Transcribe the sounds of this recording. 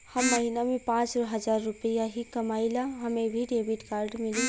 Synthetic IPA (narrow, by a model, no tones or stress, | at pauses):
hɐmːɐɦinamẽpãːt͡ʃɾɔɦɐzaːɾːʊpəjaɦikɐmaːilaɦɐmẽbʱiɖeːbɪʈkaːɾɖmɪli